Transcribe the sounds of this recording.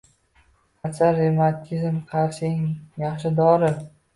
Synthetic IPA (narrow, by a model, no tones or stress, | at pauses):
asaɾemat̪ʲʰizmqʰɑɾsɪŋjɑχʃɪd̪ɒɾɪ